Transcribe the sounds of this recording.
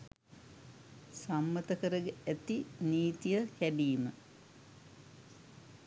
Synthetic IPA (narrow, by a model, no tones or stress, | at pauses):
samːət̪əkəɾəɡeæt̪iniːt̪ijəkæɖiːmə